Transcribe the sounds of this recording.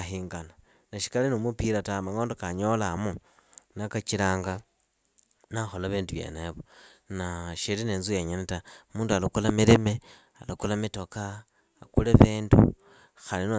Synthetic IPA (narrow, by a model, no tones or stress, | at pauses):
ahiːŋɡana | naʃi̥kalenumupiɾatamaŋɡondokaɲo̞lamu | nakat͡ʃilaːŋɡa | naxo̞laβiːnduβje̞̰neβo | naʃilineːnzujeɲanetamuːndualikulamiɾeme | alikulamito̞kaː | kuleβeːndṵ | xalino